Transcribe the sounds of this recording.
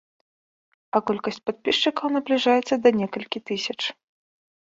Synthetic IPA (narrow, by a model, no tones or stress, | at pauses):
ɐkɔlʲkɐsʲt͡sʲpat̪̚pʲiʂt͡ʂɨkɐwnɐblʲiʐajɛt̪sːɐd̪ɐnʲɛkɐlʲkʲit̪ɨsʲɐt͡ʂ